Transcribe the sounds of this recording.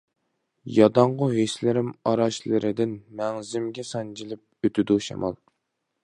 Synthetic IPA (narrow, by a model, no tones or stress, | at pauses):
jɑd̪ɑɴʁʊɦeslɪɾɪmɑɾɑʃlˠɨɾɪd̪ɪnmɛŋzɪmɡʲɛsɑnd͡ʒilɪp̚øt̪ʰyd̪uʃɑ̰mɑ̰lˠ